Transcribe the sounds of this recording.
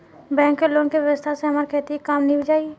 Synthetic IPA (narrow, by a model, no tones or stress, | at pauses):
bɛ̃ːŋkːeloːnkiʋjəʋəst̪ʰaseɦɐmaːɾekʰeːt̪iekaːmnəɦĩbɪd͡ʒaːie